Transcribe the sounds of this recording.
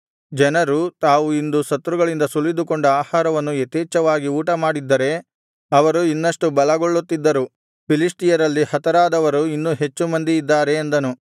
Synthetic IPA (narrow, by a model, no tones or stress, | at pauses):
d͡ʒɛnɐɾut̪aːʋuind̪usɐt̪ɾuɡɐɭind̪ɐsulːid̪ukoɳɖɐaːhaːɾɐʋɐnːuet̪iːt͡ʃɐʋaːɡiuːʈɐmaːɽid̪ːɐɾe̞ | ɐʋɐɾuinːɐʂʈubɐlɐɡoɭːut̪ːid̪ːɐɾu | pilisʈijɐɾɐlːihɐt̪ɐɾaːd̪ɐʋɐɾuinːuːɦe̞t͡ʃːumɐnd̪iid̪ːaːɾe̞ːnd̪ɐnu